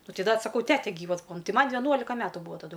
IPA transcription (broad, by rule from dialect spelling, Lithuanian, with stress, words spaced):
ˈnʊ ˈtɐɪ ˈdɐ t sɐˈkɐʊ ˈtʲæːtʲɛ ˈɡʲiːʋɐs ˈbuːɐ ˈtɐɪ ˈmɐn ʋʲɛˈnuɔlʲɪkɐ ˈmʲæːtʊ ˈbʊʋoː tɐˈdʊ